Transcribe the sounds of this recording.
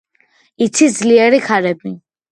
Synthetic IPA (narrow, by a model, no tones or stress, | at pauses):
it̪sʰizliɛɾikʰaɾɛbi